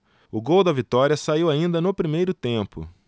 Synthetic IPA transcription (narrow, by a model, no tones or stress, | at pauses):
ʊɡowd̪ɐvit̪ɔɾiɐsaiwaĩnd̪ɐnʊpɾimejɾʊt̪ẽpʊ̰